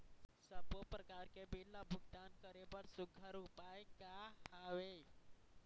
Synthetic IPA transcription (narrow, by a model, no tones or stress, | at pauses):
səbopɾəkaɾkebilːabʱʊɡ̚t̪ankəɾebəɽsʊɡʱəɾupajkahaʋe